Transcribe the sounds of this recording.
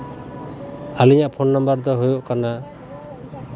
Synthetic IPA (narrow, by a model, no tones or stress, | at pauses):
aliɲaʔpʰonːɔmbəɾd̪ɔɦujoʔkana